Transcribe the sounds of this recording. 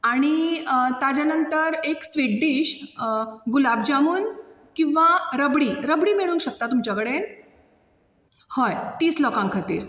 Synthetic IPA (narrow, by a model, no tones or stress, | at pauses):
aɽ̃it̪ad͡ʑjanənt̪əɾeksʋeʈɖiːɕ | ɡulabd͡ʑamuːn | kĩʋaɾəbɽiːɾəbɽiːmeɭ̃uːnɕək̚t̪at̪umt͡ɕakəɽe | hɔjt̪iːslɔkãŋkʰat̪ḭːɾ